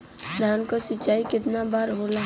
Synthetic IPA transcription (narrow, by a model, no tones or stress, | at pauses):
d̪ʱaːnkasɪt͡ʃaːikɪt̪nabaːɾɦola